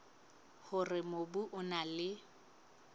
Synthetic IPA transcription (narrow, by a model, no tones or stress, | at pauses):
hʊrɪmobuʔʊnalɪ